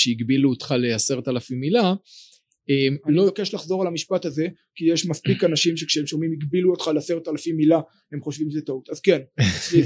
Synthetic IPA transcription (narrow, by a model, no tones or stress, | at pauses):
ʃeiɡbiluot̪χalease̞ʁetalafimːila | emlo̞jke̞ʃlaχzo̞ʁalamiʃpataze̞ | kijeʃmaspikanaʃimʃe̞kʃeemʃo̞mimiɡbiluo̞t̪χalease̞ʁet̪alafimːila | he̞mχo̞ʃvimʃzetautazke̞nli